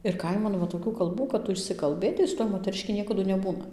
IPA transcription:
ɪr ˈkɐɪmɐn ʋɐ toːˈkʲuː kɐlˠˈbuː kɐt ˈtʊ ɪʃʲsʲɪkɐlˠˈbɘtɐɪ sʊ ˈtuɔj moːtʲɛrʲɪˈʃʲkʲɪ ˈnʲiɛkɐdʊ nʲɛˈbuːnɐ

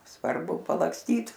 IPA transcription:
sʋɐrˈbʊ pɐlˠɐksʲˈtʲiːt

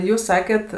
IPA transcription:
ˈjuːs ˈsɑːkʲɛt

